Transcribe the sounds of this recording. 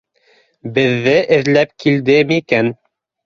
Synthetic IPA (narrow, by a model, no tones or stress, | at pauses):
bɘ̆ðːɘʔɘ̆ðlæp̚kild̪ɘmikæn